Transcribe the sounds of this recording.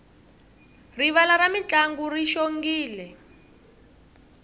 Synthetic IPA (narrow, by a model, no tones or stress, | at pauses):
riβalaɾamit͡ɬʼaŋɡuriʃoŋɡiːlɛ